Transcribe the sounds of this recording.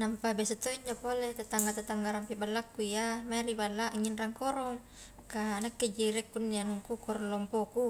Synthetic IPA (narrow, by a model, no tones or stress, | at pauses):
nampabɛsɔt̪oiɲd͡ʒapolɛt̪at̪aŋɡat̪at̪aŋɡaɾampibalːakːuijamaɾibalːaʔŋːinraŋkɔɾɔŋ | kaːnakːɛd͡ʒiɾɛkːunːianŋkukɔɾɔŋlɔmpɔku